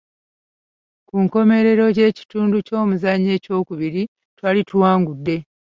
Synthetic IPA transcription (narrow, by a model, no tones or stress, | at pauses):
kuŋko̞me̞ɾe̞ɾo̞ɟe̞ːci̥tuːnduco̞ːmuzaɲːe̞ːco̞ːkuβiɾi | twaːlituwaːŋɡudːe̞